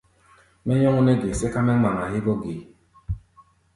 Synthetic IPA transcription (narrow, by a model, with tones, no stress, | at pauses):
mɛ˦ɲɔ˦ŋu˦ne˦ɡe˨se˦ka˦mɛ˦ŋ͡ma˨ŋa˨he˦bo˦ɡe˨